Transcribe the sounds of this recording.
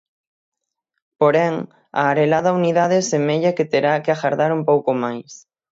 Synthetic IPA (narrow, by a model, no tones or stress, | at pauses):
poɾɛŋ | a̰ːɾelaðɐuniðaðeɛsemeʎɐket̪eɾakeaxaɾðaɾumpowkomajs